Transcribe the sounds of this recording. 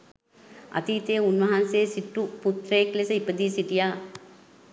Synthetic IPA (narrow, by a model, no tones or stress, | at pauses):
ɐ̰t̪iːt̪eːunʋɐɦɐnseːsiʈːuput̪ɾeːklesɐipːɐd̪iːsiʈijaː